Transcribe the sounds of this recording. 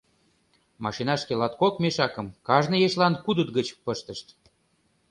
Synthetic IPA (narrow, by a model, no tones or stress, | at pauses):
mɑʃinɑʃkelɑt̪̚kokmeʃɑkə̆mkɑʒnɤ̆jeɕlɑnkud̪ut̪̚ɡət͡ɕpə̆ʃt̪əʃt̪